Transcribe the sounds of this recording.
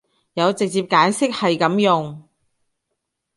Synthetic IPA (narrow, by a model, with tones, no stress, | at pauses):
jɐ˨˧wt͡sɪ˨k̚t͡siː˧p̚kaː˨˥nsɪ˥k̚hɐ˨jkɐ˨˥mjʊ˨ŋ